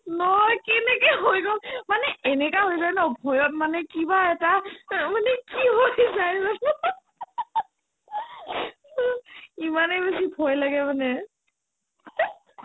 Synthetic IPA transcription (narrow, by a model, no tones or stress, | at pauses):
nɔjkɛnɛkɛɦojɡɔlmanɛʔɛnɛkaɦojzajnɔbʱɔjɔt̚manɛkibaɛtamanɛkiɦojzajnɔ | imanɛbesibʱɔjlaɡɛmanɛ